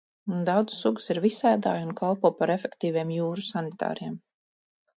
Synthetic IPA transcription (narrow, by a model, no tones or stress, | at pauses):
d̪awd̪zsːuɡu̥siɾvisæːd̪a̰ːjunkalˠpɔːpaɾefʲɛkt̪iːviɛmjuːɾusanit̪a̰ːɾijɛm